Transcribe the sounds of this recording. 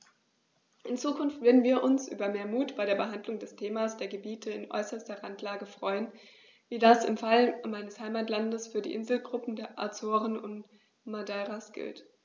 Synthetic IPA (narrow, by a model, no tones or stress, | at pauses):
ʔɪnt͡suːkʰʊnftv̥eːɐdn̩viːɐʔʊnsʔy̰ːbɐmeːɐmuːtb̥aɪɾeːɐbəɦandlʊŋdɛstʰeːmasd̥eːɐɡəbiːtʰəɪnʔɔ̰ʏsɐstɐʁantʰlaːɡəfʁ̥ɔʏən | viːdasɪ̰mfalmaɪnəshaɪmaːtlandəsfyːɐdḭːʔɪnzl̩ɡʁʊpm̩deːɐʔa̰t͡soːʁənʊnt | madɛːʁasɡ̥ɪ̰lt